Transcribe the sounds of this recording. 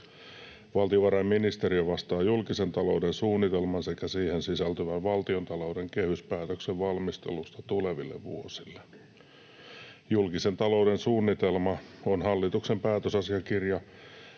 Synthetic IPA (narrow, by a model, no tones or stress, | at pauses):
ʋɑlt̪ioʋɑɾɑjmminist̪eriøʋɑst̪ɑːjulkisent̪ɑloudensuːnːit̪elmɑnsekæsiːhensisælt̪yʋæʋʋɑlt̪iont̪ɑloudeŋkehyspæːt̪økseʋʋɑlmist̪ḛlust̪ɑt̪uleʋḭlːḛʋʋṵosilːe | julkisent̪ɑloudensuːnːit̪elmɑonhɑlːit̪uksempæːt̪øsɑsiɑkirjɑ